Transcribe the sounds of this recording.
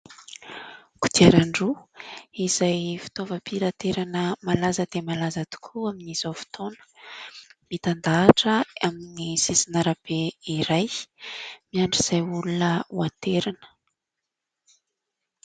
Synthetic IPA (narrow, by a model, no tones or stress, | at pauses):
ku̥d̪iaɾaɳɖ͡ʐuiz̥ajfi̥t̪ovəpʰiɾat̪eɾanəmalazəd̪̥emalazat̪u̥kʰuaminiz̥ofi̥t̪ʰonə̥ | mit̪and̪aːʈ͡ʂəaminisisinaɾab̥eiɾaj | miaɳɖ͡ʐiz̥ajulunəwant̪eɾanə̥